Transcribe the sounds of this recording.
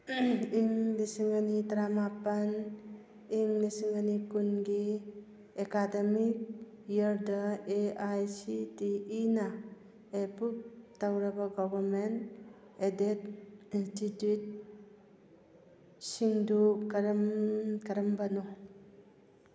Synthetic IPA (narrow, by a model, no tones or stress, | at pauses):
iŋlisiŋanitɾamapan | iŋlisiŋanikunɡi | ekademik̚ | jəɾdaeajsitiina | epup̚tawɾɐbaɡɔbɐɾment | edetinstitut̚ | siŋdukaɾmkaɾɐmbanɔ